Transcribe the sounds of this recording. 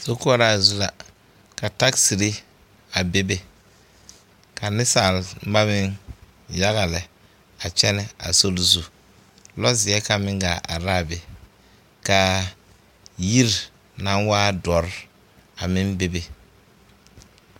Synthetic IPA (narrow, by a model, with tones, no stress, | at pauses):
so˦ku˦a˨ɾa˨zu˦la˨ | ka˨ta˦ksi˨ɾi˦ | a˨be˦be˦ | ka˨nɪ˦sa˨lba˦mɪ˦ŋ | ja˦ɣa˨lɛ˨ | a˨t͡ʃɛ˦nɛ˦a̰˨so˦lzu˦ | lɔ˦zɪ˨ɛ˦ka˨mɪ˦ŋɡa˨ʔa̰˨ɾa˦˨be˨ | ka˨ | ji˦ɾ | na˦nwaː˦dɔ˨ɾ | a˨mɪ˦nbe˦be˨